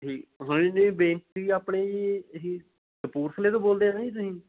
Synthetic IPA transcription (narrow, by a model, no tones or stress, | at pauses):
ɦiːɦʊnɪnːebẽːnt͡ʃiːaːpɳeːeɦiː | d̪əpuːɾsʰəleːt̪õːboːld̪eːaĩːt̪ʊsĩː